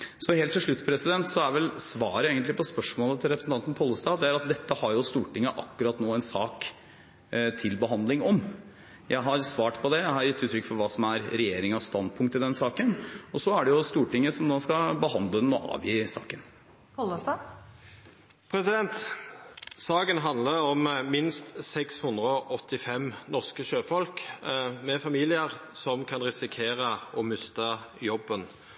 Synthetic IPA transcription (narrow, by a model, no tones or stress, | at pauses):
sɔheːlt̪ʰːɪlʂɭʉt̪ːpɔɾɛsɪd̪ɛnt̪sɔæɾʋɛlsʋɑːɾəjeːɡənt̪lɪpʰɔspœʂmoːlət̪ʰɪlɾɛpɾəsn̩t̪ʰɑnt̪ən̩pʰɔlːəst̪ɑːd̪ɛæɾɑt̪̚d̪ɛt̪ːəhɑɾjʊst̪uːʈɪŋːəʔɑ̰kːʉɾɑt̪noːɛnsɑːk | t̪ʰɪlbəɦɑnd̪lɪŋɔm | jʔæɪɦɑɾsʋɑːʈpʰɔd̪ɛjæɪhɑɾjɪt̪ːʉːt̪ʰɾʏkfɔɾʋɑːsɔmæɾɾɛjeːɾɪŋɑst̪ɑnd̪pʰʊŋkt̪ːɪd̪ɛnsɑːkənɔsɔæɖɛjʊst̪uːʈɪŋːəsɔmd̪oːskɑbəɦɑnd̪ləd̪ɛnɔʔɑ̰ːʋjiːsɑ̰ːkən | kɑlːəsd̪ə | pʰɾɛsɪd̪ɛnt̪ | sɑːkənɦɑnd̪ləɾɔmmɪnst̪sɛkshʉnd̪ɾəɔʔɔt̪ːɪfɛmnɔʁskəʃøːfɔlkmɛfɑmiːlɪəɾsɔmkʰɑnɾɛsɪkʰeːɾəɔmʏst̪əjɔbːən